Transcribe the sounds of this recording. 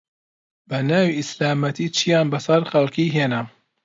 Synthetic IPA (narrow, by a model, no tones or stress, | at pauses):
bɐnaːwiɪslaːmɐt̪ʰiːt͡ʃʰijaːnbɐsɐɾxɐlkiːɦeːnɐ